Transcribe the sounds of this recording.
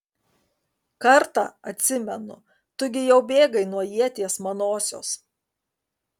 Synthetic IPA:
kɐɾt̪ɑ̰ɐt̪ʲsʲɪmʲɛnʊ̰ | t̪ʊɡʲɪjɛʊbʲeːɡɐɪnuɔjiɛt̪ʲiɛsmɐnoːsʲo̰ːs

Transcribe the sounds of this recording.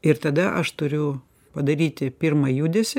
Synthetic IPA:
ɪɾt̪ɐd̪ɐʔɐʃt̪ʊɾʲʊ | pɐd̪ɐɾʲiːt̪ʲɪpʲiɾmɐjuːd̪ʲesʲɪ

